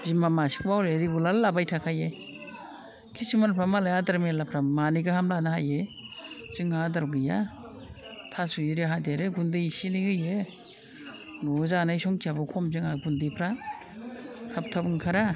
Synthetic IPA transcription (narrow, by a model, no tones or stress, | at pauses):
zimamasi̥k̚bawɾeɾiɡulallabajtʰakʰaje | kʰisimaɾpʰɾamalajadaɾmelapʰɾamanijɡahamlanahaje | ziŋadaɾɡɯja | tʰasujiɾeɦadiaɾeɡundɯjsiniɡɯje | nɔzanajsɔŋtabɔkʰɔmzɯŋaɡundipʰɾa | kʰap̚tʰabɯŋkʰaɾa